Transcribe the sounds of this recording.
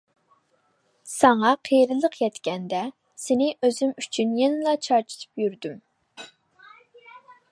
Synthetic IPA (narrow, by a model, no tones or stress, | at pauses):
sɑŋɑqʰejɾɨlˠəqʰjɛt̪kʲɛnd̪ɛ | sɪnɪʔøzymyt͡ʃʰynjenɪlˠɑt͡ʃʰɑɾt͡ʃʰɪ̥t̪ʰɨ̥pjyɾd̪ym